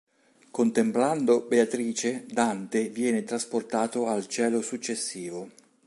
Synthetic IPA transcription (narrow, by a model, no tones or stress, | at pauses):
kont̪empland̪obeat̪ɾiːt͡ʃed̪ant̪evjɛːnɪt̪ɾasport̪aːt̪oalt͡ʃɛːlosut͡ʃːesːiːvo